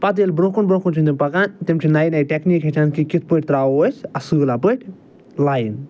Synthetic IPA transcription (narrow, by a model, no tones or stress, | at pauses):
pɐt̪elbɾõkunbɾõkunt͡ʃʰind̪impɐkant̪imt͡ʃʰinajinajʈʲekniːkɦet͡ʃʰankikit̪̚ʰpəʈ̚ʲt̪ɾaːoəsɐsɨːlapəʈʲʰ | laːjn